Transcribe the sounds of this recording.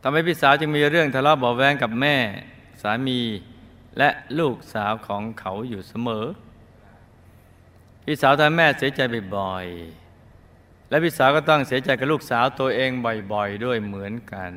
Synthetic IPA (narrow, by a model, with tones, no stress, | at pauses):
t̪ʰa˧mha˧˩jpʰiː˥˩saː˩˦wt͡ɕɯ˧ŋmiː˧ɾɯ˥˩əŋt̪ʰaː˧˩lɔː˦˧˥bɔː˨˩wɛː˧˥ŋka˨˩p̚mɛː˥˩ | saː˨˩˦miː˧ | lɛ˦˥luː˥˩k̚saː˩˦wkʰɔː˩˦ŋkʰa˩˦wjuː˨˩sa˧mɤː˩˦ | pʰiː˧˥˩saː˨˩˦wt̪ʰaː˧ŋmɛː˥˩si˩˦ɐt͡ɕa˧jbɔ˨˩jbɔ˨˩j | lɛ˦˥wpʰiː˥˩saː˨˩˦wkɔː˥˩t̪ɔ˥˩ŋsi˨˩˦ɐt͡ɕa˧jka˨˩p̚luː˥˩k̚saː˩˦wt̪u˧ʔeː˧ŋbɔ˨˩jbɔ˨˩jdu˥˩əjmɯ˩˦ənka˧n